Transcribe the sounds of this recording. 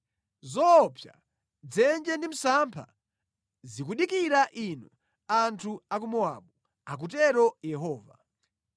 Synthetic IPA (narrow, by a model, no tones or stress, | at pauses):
zɔpʰja̰ | d͡zɛnd͡ʒɛndim̩sampʰa̰ | zikuɗikiɾaʔinɔ | antʰuakumɔaɓu | ak̬ut̬ɛɾɔjɛɦɔːva̰